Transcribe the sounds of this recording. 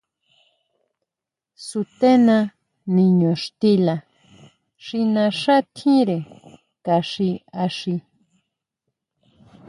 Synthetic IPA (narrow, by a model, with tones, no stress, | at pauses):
su˧t̪e˦nã˧ | nĩ˧ɲõ˨ʂt̪i˦la˨ | ʂi˧nã˧ʂa˦t̪ʰĩ˦ɾe˨ | ka˨ʂi˧a˧ʂi˧